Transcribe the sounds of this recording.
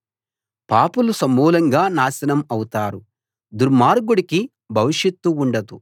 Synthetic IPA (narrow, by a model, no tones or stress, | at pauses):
paːpulusɐmːuːlɐŋɡaːnaːsɐnɐmɐwut̪aːɾu | d̪uɾmaːɾɡuɽiki | bʱɐʋiʂjɐt̪ːuːɳɖɐd̪u